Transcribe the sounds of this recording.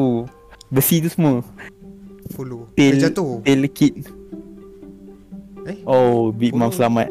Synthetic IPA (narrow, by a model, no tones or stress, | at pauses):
u | bəsit̪usəmwə | fulut̪ed͡ʒat̪ut̪eləkʰit̪̚ | eobiʔ̚mãmsəlamat̪̚